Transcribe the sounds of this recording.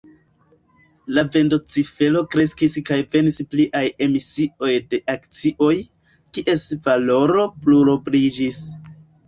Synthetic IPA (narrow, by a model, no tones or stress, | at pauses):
lave̞ndot͡sife̞lo̞kɾe̞skiskajve̞nispliʔaje̞misio̞jde̞ʔakt͡siʔo̞j | kiʔe̞svalo̞ɾo̞pluɾobɾid͡ʒis